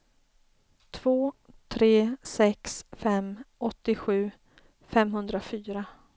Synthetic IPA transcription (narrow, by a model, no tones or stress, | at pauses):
t̪ʰv̥oː | t̪ʰɾeːsɛksfɛmɔt̪ːɪɧʉ̟ː | fɛmɦɵnd̪ɾafyːɾa